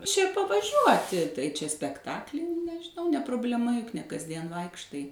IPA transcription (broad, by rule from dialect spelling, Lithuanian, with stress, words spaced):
t͡ʃʲɛ pɐʋɐˈʒʲuɔtʲɪ tɐɪ t͡ʃʲɛ sʲpʲɛkˈtɑːklʲɪ nʲɛʒʲɪˈnɐʊ nʲɛ prʊbʲlʲɛˈmɐ jʊk nʲɛ kɐzʲˈdʲiɛn ˈʋɐɪkʃtɐɪ